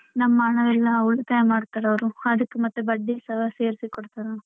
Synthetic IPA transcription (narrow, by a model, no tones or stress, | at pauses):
nɐmːaːɳɐʋɛlːɐuɭɐt̪ɐjɐmaːɖt̪aːɽɐʋɐɾuɐd̪ɐkːemɐt̪ːubɐɖːisɐɦɐse̞ːɾisikɔɽt̪aːɾɐ